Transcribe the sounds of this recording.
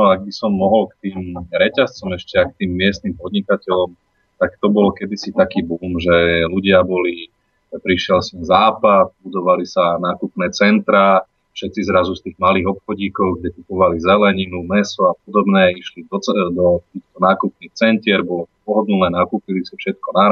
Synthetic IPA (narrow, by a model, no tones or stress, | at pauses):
nɔaɡ̚bisɔmːɔɦɔlkt̪iːmɾɛcast͡sɔmɛʃcɛak̚t̪iːmːɪɛst̪nimpɔd̪ɲikacɛʎɔm | t̪akt̪ɔbɔlɔkɛd̪isit̪akiːbuːmʒɛluɟɪabɔli | pɾiʃɪɛlsɔnzaːpat̪̚bud̪ɔʋalisanaːkupnɛːt͡sɛnt̪ɾa | fʃɛt̪t͡sizɾazust̪iːɣmaliːɣɔpxɔɟiːkɔʊɡɟɛkupɔʋalizɛlɛɲinumɛsɔap̚ɔd̪ɔbnɛiʃlid̪ɔt͡sɛd̪ɔt̪iːxt̪ɔnaːkupniːxt͡sɛncɪɛɾbɔlɔt̪ɔp̚ɔɦɔd̪nunɛːnakuːpilisafʃɛt̪̚kɔna